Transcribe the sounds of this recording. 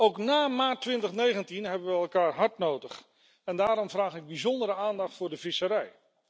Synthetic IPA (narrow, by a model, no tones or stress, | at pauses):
owknaːmaːtʋɪntəχnejχəntinɦɛbənʋəɛlˠkaːɹɦɑɹtnowdəχ | ɛndaːɾɔmvraːχɪɡ̚bizɔndəɾəaːndɑχtfʊːɹdəvɪsəɾɛj